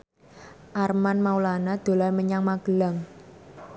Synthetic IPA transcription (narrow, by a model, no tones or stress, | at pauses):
ʔarmanmaulanad̪̥o̤lajməɲaŋmaɡ̥ə̤laŋ